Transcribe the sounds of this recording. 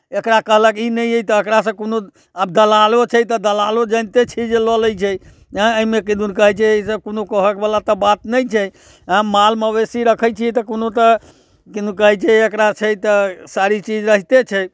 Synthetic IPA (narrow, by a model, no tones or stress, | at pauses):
ekɾakəɦləkinəjejt̪əːkɾas̬ə̃kono | ab̚d̪əlalot͡ʃʰɛt̪əd̪əlalod͡ʒənt̪et͡ʃʰid͡ʒelɔləjt͡ʃʰɛj | ə̃əimekid̪ʱunkəɦɛt͡ʃʰeisə̃bkonokəɦəkbelat̪əbat̪nəjt͡ʃʰɛ | ãmalməβesiɾəkʰəjt͡ʃʰiɛt̪əkonot̪ə | kid̪ukəɦɛt͡ʃʰɛekɾat͡ʃʰɛt̪əsaɾit͡ʃid͡ʒɾəɦit̪et͡ʃʰɛ